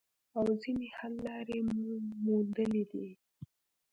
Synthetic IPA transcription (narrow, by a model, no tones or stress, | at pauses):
awzinehalːɑɾemmund̪əlid̪i